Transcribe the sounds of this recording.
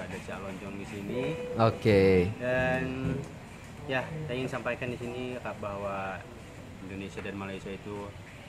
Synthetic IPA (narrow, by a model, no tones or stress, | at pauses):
adat͡ʃalɔɲt͡ʃɔŋdisiniokeəm | jasaŋɪnsampajkandisinikabahwa | indonesiadanmalaisiait̪u